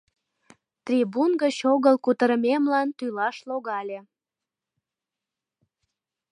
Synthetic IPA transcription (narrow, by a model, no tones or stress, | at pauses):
t̪rʲibunɡət͡ɕoɣəlkut̪əɾəmemlɑnt̪ylɑʃloɣɑlʲe